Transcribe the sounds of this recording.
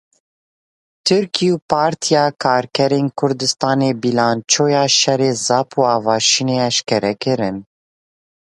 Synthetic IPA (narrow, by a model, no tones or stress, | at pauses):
t̪ʰɨɾkʰiupʰɑːɾt̪ʰijɑːkʰɑːɾkʰɛɾeːnkʰʊɾd̪ɨst̪ɑːneːbilɑːnt͡ʃʰoːjɑːʃɛreːzɑːpʰuːɑːvɑːʃineːɛʃkɛɾɛkɨɾɨn